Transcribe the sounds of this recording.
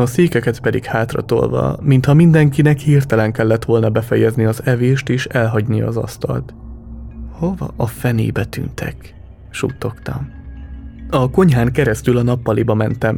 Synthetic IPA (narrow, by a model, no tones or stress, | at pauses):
ɒseːkɛkɛt̪pɛd̪ikhaːt̪rɒ̰t̪o̞̰lvɒ̰mint̪hɒmind̪ɛŋkinɛkhirt̪ɛlɛŋkɛlːɛt̪ʋo̞lnɒbɛfɛjɛzniɒzɛveːʃt̪eːʃɛlɦɒɟnijɒ̰zɒ̰st̪ɒ̰lt̪ | ho̞vɒ̰ʔɒfɛnḛːbɛt̪y̰nt̪ʰɛ̰k | ʃṵːt̪o̞kt̪ɒ̰m | ɒko̞ɲɦaːŋkɛɾɛst̪ylɒnɒpːɒlibɒmɛnt̪ɛm